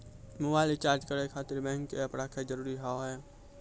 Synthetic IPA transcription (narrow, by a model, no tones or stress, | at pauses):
mʊbaːɪlɪt͡ʃaːɾd͡ʒkəɾekʰaːt̪ɪɾbɛ̃ːŋkːeɐpɽaːkʰezɐɾuːɾiɦaːoɦɛː